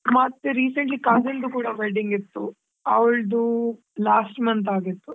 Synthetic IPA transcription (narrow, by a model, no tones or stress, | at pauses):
mɐt̪ːeɾiːsɐɳʈlikaːzɐnd̪ukuːɽɐbɛlɖiŋɡit̪ːṵ | ɐ̰ʋɭd̪u | laːsʈmɐnt̪aːɡit̪ːu